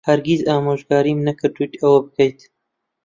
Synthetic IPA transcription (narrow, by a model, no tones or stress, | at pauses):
hɐɾɡizɑːmoːʒɡɑːɾimnɐkɨɾt̪ut̪ɐwɐbɨkɐjt̪